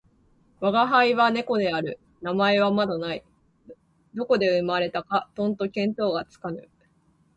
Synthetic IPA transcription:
βaɡaɦaiβane̞ko̞d̪e̞aɾɯ̟ | namae̞βamad̪anai | d̪o̞ko̞d̪e̞ɯ̟maɾe̞t̪akat̪õ̞nt̪o̞kẽ̞nt̪o̞ːɡat͡sɨ̥kanɯ̟

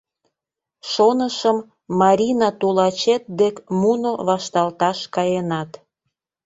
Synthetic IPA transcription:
ʃonəʃəmː | ɑɾʲinɑt̪ulɑt͡ɕet̪̚d̪ekmunoβɑʃt̪ɑlt̪ɑʃkɑjenɑt̪

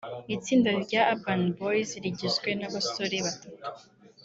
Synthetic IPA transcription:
it͡siːndaɾɟaabanbojziɾiɟizɡwe̞naβastoɾiβatatu̥

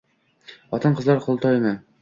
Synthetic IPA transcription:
ɒt̪ɤɴqɤ̆zɑɾqʰŏlˠt̪ɒjmɤ

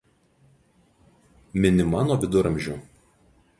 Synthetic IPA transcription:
mʲɪnʲɪmɑːnoːʋʲɪd̪ʊɾɐmʲʒʲʊ

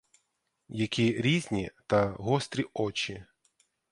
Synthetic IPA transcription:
jɐkʲʰiɾʲizʲnʲit̪ɐɦɔst̪ʲɾʲiɔt͡ʃi

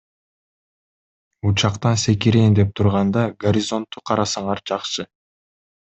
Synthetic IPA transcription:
ut͡ʃɑqt̪ɑnse̞kiɾeːnd̪e̞p̚t̪ʰuɾʁɑnd̪ɑɡoɾʲɪzo̞nt̪ːuqʰɑɾɑsɑɴɑɾd͡ʒɑqʃɯ

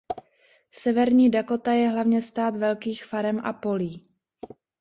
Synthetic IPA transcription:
sɛvɛɾɲiːdako̞t̪ajɛɦlavɲɛst̪aːt̪vɛlkiːxfaɾɛmʔa̰po̞liː

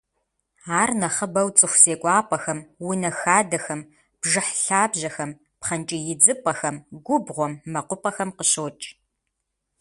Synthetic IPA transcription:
aːrnɐχəbɐwt͡sʼɨxʷseːkʷʼɑːpʼɐxɐmwʊnɐxaːdɐxɐm | b̥ʒɨħɬaːbʑɐxɐm | pχɐnt͡ʃʼɪjɪd͡zɨpʼɐxɐmɡʷʊbʁʷɔmːɐqʷʊpʼɐxɐmqəɕoːt͡ʃʼ

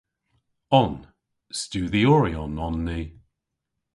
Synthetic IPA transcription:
ɔn | stuːðiɔɹiɔnɔnːi

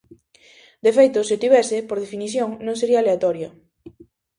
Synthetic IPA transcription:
d̪efejt̪ʊsiot̪iβɛsɪpoɾð̞efiniθjoŋnõŋs̬eɾialeat̪ɔɾjo

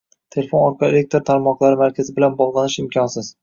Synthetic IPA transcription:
t̪ʰe̞lefo̞nɒɾqʰɑelek̚ʲt̪ʰɾt̪ʰaɾmɒqlˠaɾɪmaɾkʲʰazɪbɪlanbɒʁlˠanɪʃɪmkʰʲɒnsɪz̥

